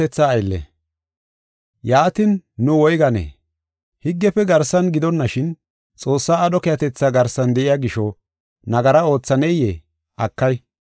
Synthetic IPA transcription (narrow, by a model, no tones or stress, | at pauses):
ɛt͡sːaːjlːɛ̰ | jaːt̪ɪnːʊwɔjɡɐnḛː | hɪɡːɛfɛɡɐɾsːɐnɡɪd̪ɔnːɐʃɪn | t͡sʼo̞ːsːaːɗɔkɛjɐt̪ɛt͡sːaːɡɐɾsːɐnd̪ɛʔɪjaɡɪʃɔ | nɐɡɐɾɐo̞ːt͡sːɐnɛje | ʔɐkːɐj